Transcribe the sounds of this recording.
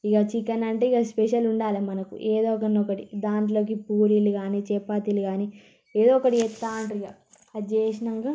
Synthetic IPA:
iɡat͡ʃikːɐnɐɳʈeːiɡaspɛʃɐluɳɖaːlimɐnɐkṵʔeːd̪ɔːkɐnɔkɐʈid̪aːɳʈlo̞ːk̬ipuːɾiliɡaːnit͡ʃɛpːaːt̪iliɡaːni | eːd̪oːɔkɐʈiɛt̪ːaːɳʈiɡa | ɐd͡ʒeːʃnɐŋɡa

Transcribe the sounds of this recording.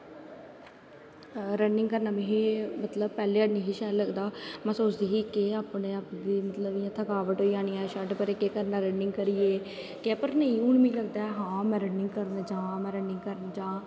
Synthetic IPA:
ɾənɪŋɡkəɾnaːmẽːɦeːmət̪ləbpɛːleːənĩːɦɪːʃɛːləɡd̪aːmɛ̃ːsoːt͡ʃd̪eːɦiːkɪaːpɳeːaːpd̪iːmət̪ləbiːjãːt̪ʰəkaːʋəʈɦoːiãːɽ̃iːãʃəɖpəɾeːkeːkəɾnaːɾəɳɖɪŋɡkəɾiːeː | kepəɾnəĩːuɳmĩːləɡd̪aːɛɦãːmɛ̃ːɾənɪŋɡ̚kəɾnːd͡ʒãːmɛ̃ːɾəɳɖɪ̃ŋɡkəɾnːd͡ʒãː

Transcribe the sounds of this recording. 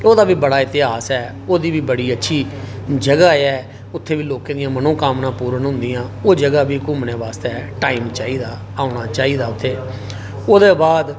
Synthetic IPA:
oːd̪aːbiːbəɽaːɪt̪ɪɦaːsɛː | oːd̪iːʋiːbəɽiːətːʃʰiːd͡ʒəɡaːɛː | ʊt̪ʰːeːʋiːloːkẽːd̪ɪjãːmənõːkaːmnãːpuːɾənɦʊ̃nd̪ɪjãːoːd͡ʒəɡaːbiːkʊmneːʋaːst̪eʈaːiːmt͡ʃaːiːd̪aː | aːʊɽ̃aːt͡ʃaːiːd̪aːʊt̪ʰːeː | oːd̪eːbaːd̪

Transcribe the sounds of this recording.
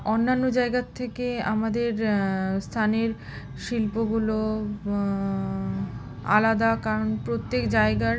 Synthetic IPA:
onːanːod͡ʑaeɡat̪ʰːekea̰mad̪eɾst̪ʰaneɾ | ʃilpoɡulo | a̰lad̪akaɾonpɾot̪ːekd͡ʑaeɡa

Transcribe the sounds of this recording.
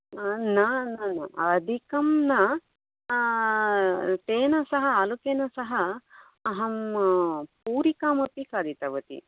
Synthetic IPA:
nɐnɐnɐɐd̪ʱikɐmnɐ | t̪eːnɐsɐɦɐaːlukeːnɐsɐɦɐː | ɦɐm | puːɾikaːmɐpikaːd̪ʱit̪ɐʋɐt̪ḭ

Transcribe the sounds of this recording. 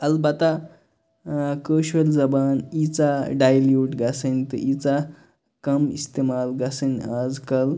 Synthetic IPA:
ɐlbɐt̪a | kəːʃɐlzɐbaːnit͡saɖajljuːʈɡasənʲt̪ɨʔit͡sa | kɐmist̪eːmaːlɡasɐnʲaːd͡zkɐl

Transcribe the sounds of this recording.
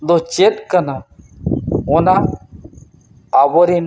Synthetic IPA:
d̪ɔt͡ʃet̪kana | ɔna | bɔɾin

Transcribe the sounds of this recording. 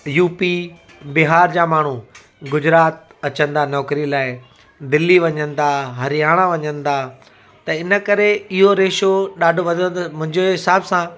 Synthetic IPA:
juːpi | bɪɦaːɾd͡ʑaːmaːɳ̤u | ɡʊd͡ʑɾaːt̪̚ɐt͡ɕə̃nd̪anɔːkɾilaːɪ | d̪ɪliʋɐɲə̃nd̪aːɦɐɾijaːɽ̃aʋɐɲə̃nd̪aː | t̪ɐɪnə̆kɐɾeɪɦoɾeːʃoɗaːɖʱʊʋɐd̪ʱəmʊ̃ɦɪ̃ɲd͡ʑeɦɪsaːbsã

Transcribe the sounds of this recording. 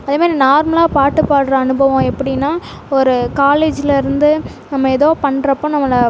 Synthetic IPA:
ɐðɯːmaːd̪ɾinaːɾmɐlaːpaːʈːɯpːaːɽɾɐɐnɯbɐʋõɛpːɐɽɪnːaː | ɔɾɯkaːleːd͡ʒɪlɐɪɾɯnd̪ɯ | nɐmːɐɛðoːpɐɳːɾɐpːõːnɐmːɐlɐ

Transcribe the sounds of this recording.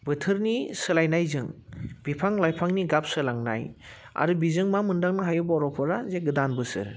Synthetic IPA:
bɯtʰɯɾnisɯlajnajzɯŋbipʰaŋlajpʰaŋniɡap̚sɯlaŋna̰j | a̰ɾubizɯŋmamɯndaŋnɯɦajubɔɾɔpʰɔɾazeɡɯdanbɯsɯ̰ɾ

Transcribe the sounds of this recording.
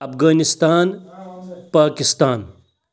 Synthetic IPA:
ɐpʰɡaːnist̪aːn | paːkist̪aːn

